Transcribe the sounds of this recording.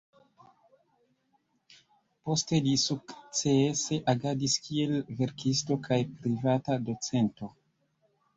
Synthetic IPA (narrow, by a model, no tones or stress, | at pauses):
po̞ste̞lisukt͡sese̞ʔaɡadiskie̞lve̞ɾkʰisto̞kʰajpɾivatado̞t͡se̞nto̞